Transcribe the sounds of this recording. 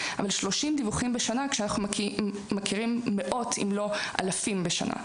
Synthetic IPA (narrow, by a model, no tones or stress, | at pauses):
a̰valʃlo̞ʃimd̪ivuχimbeʃanakʃeanaχnuː | akiʁimːeʔo̞t̪ʰḭmlo̞ʔa̰lafimbeʃa̰na̰